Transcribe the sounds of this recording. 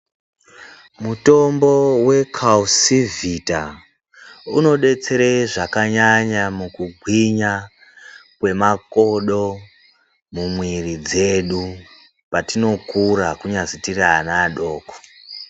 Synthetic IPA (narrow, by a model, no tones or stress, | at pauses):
muto̞mbo̞we̞kʰausivita | uno̞ɗe̞t͡se̞ɾeʐakaɲaɲamukuɡʱwiɲa | kwe̞mako̞ɗo̞ | mumwirid͡ze̞ɗu | patino̞kuɾakuɲazitiraːnaːɗo̞ːko̥